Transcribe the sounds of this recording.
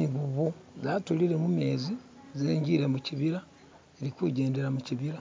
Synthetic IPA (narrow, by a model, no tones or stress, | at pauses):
iβuβuzatuliɾe̞mume̞ːzi | zeːɲɟiɾe̞muciβiɾa | eɾikuɟe̞ːnde̞ɾamuciβiɾa